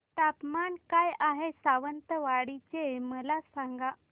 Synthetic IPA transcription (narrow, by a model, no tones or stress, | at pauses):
t̪apmaɳkajaɦesaʋənt̪əʋaɽit͡ɕeməlasaŋɡa